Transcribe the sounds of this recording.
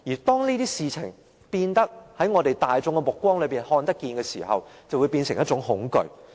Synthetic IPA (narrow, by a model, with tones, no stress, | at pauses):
jiː˨˩t̪ɔː˥ŋniː˥t̪iː˥siː˧t͡sʰɪ̰˨˩ŋ | piː˧nt̪ɐ˥k̚hɐ˨˥jŋɔː˨˧t̪e˨jt̪aː˨jt͡sʊ˧ŋkɛ˧mʊ˨kʷːwɔː˥ŋlɵ˨˧ɥpiː˨˩nhɔː˧nt̪ɐ˥kːiː˧nkɛː˧sḭː˨˩hɐ̰˨wt͡sɐ˨wu˨˧jpiː˧nsɪ˨˩ŋjɐ˥t͡ʃʊ˨˥ŋhʊ˨˥ŋkɵ̰˧ɥ